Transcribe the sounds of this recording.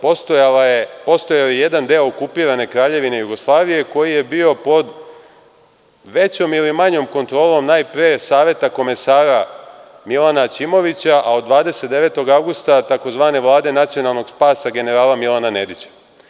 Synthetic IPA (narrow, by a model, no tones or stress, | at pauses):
poepo̞st̪ojaojeje̞d̪and̪eookupiːɾane̞kɾaːʎe̞ʋine̞juɡo̞slˠaːʋije̞ko̞jije̞bio̞po̞d̪ | ʋe̞t͡ɕo̞milimaɲo̞mko̞nt̪ɾo̞ːlˠo̞mnaːjpɾeːsaːʋje̞t̪ako̞me̞saːɾa | milˠanat͡ɕimo̞ʋit͡ɕaʔaod̪ʋaːd̪e̞se̞t̪̚d̪e̞ʋe̞ːt̪o̞ɡawɡust̪at̪ako̞zʋaːne̞ʋlˠaːd̪e̞nat̪sijo̞nalˠno̞ɡ̥spaːsaɡe̞ne̞ɾaːlamilanane̞d̪it͡ɕḁ